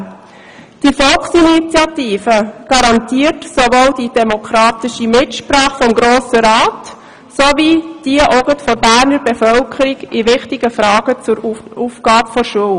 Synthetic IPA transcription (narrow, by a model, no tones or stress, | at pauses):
d̥ifɔlksinit͡sjɑtiːfəɡ̥ɑɾɑntiːərtsovoːld̥id̥ɛmokʰɾɑːtɪʃimɪtʃpɾɑːχfɔmɡɾoːsəɾaːt | sovid̥iəʔoɡətfɔɾbæːɾnəɾbɛfœlkʰəɾiɡɪʋɪχtɪɡəfɾɑːɡ̥ət͡sʊɾufɡ̥ɑːbəfɔɾʃuəl